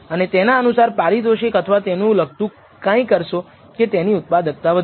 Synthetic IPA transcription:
ənet̪enaənusaɾpaɾid̪oʃekət̪ʰəʋat̪enũləɡ̚t̪ũ | kãĩkəɾʃo | ket̪eniʊt̪̚pad̪ək̚t̪aʋəd̪

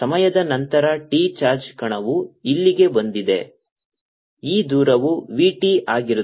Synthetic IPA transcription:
sɐmɐjɐd̪ɐnɐnt̪ɐɾɐʈiːt͡ʃaːɾd͡ʒkɐɳɐʋuilːiɡe̞bond̪id̪e̞̰ | iːd̪uːɾɐʋuʋiːʈiʔaːɡiɾu

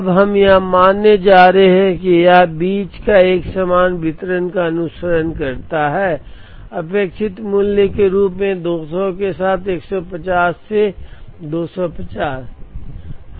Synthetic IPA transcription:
bɦɐmjɐɦmaːnːed͡ʒaːɾeɦɦɛ̃kijabiːt͡ʃkaeːksamaːnbɪt̪ɾənkaɐnʊsəɾənkɐɾt̪aɦɛː | ɐpeːkʃɪt̪mʊljəkeɾuːpmẽd̪oːsɔkesaːt̪ʰeːksɔpɐt͡ʃaːsːed̪oːsɔpɐt͡ʃaːs

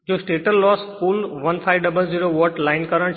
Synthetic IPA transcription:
d͡ʒoːsʈeːʈəlːɔːskuːlʋənpʰaːɪʋɖəbəlziːɾoːʋɔʈlaɪnkəɾəɽ̃

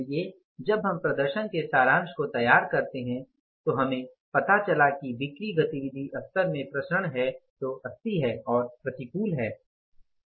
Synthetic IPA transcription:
ije | d͡ʒɐbʱɦɐ̃mpɾɐd̪əɾʃənkesaːɾãːnʃkot̪ɐjaːɾkɐɾt̪eɦɛ̃ | t̪oɦɐmẽpɐt̪at͡ʃɐlakiʋɪkɾiɡɐt̪iʋɪd̪ʱiʔɐst̪əɾmẽpɾɐʃəɽ̃ɦɛt̪oɐst̪iɦɛːɔːɾpɾɐt̪ikuːlɦɛː

